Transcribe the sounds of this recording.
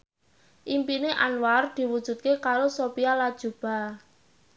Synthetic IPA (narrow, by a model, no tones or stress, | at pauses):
ʔimpineʔanward̪̥i̤wud̥ʒ̥ṳd̪̚kekaɾosopialad̥ʒ̥ṳb̥a̤